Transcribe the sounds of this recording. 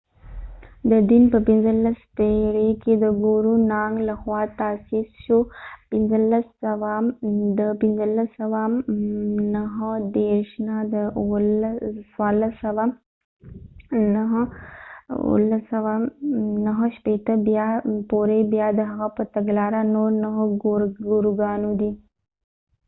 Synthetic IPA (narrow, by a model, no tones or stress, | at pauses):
d̪əd̪ɪnpəpɪnzəlast̪eɽeked̪əɡoɾunɑŋɡlaxwɑt̪asisʃupɪnzəlasawad̪əpɪnzəlasawa | naɦəd̪eɾʃnad̪əlswaləsɐwa | nəɦ | ṵlːəsəwanəɦəʃpet̪əbjapoɾebjad̪əɦaɣapət̪aɡlaːɾanoɾnəɦəɡoɾɡoɾuɡanod̪i